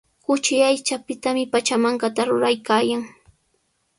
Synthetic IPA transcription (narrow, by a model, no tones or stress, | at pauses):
kʊt͡ʃɪajt͡ʃapɪt̪amɪpat͡ʃamaɴkat̪aɾʊ̰ɾajkaːjaŋ